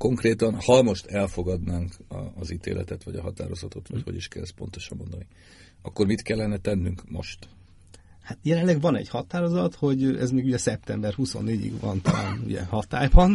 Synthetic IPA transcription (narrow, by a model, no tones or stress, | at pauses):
ko̞ŋkreːt̪ɒnhɒmo̞ʃt̪ɛlfo̞ɡɒd̪naːŋkːzit̪ḛːlʔɛ̰t̪ɛt̪ʋɒɟɒɦɒt̪a̰ːɾo̞zɒt̪o̞t̪ʋɒcho̞ɟiʃkɛlɛs̚po̞nt̪oʃɒmːo̞nd̪ɒni | ɒkːormit̪kɛlːɛnɛt̪ɛnːyŋkmo̞̰ʃt̪ | hat̪jɛlɛnlɛɡʋɒnɛ̰ɟhɒt̪aːɾo̞zɒt̪ho̞ɟɛzmeːɡuɟɛsɛp̚t̪ɛmbɛrhuso̞̰nːeːɟḭɡʋɒ̰nt̪ɒla̰ːnṵɟɛ̰hɒt̪a̰ːjbɒn